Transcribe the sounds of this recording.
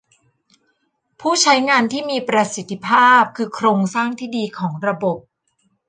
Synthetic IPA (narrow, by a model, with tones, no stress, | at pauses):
pʰuː˥˩t͡ɕʰa˦˥jŋaː˧nt̪ʰiː˥˩miː˧pɾa˧si˨˩t̪ʰːi˦˥pʰaː˥˩p̚kʰɯː˧kʰɾoː˧ŋsaː˥˩ŋt̪ʰiː˥˩diː˧kʰɔː˩˦ŋɾa˧bo˨˩p̚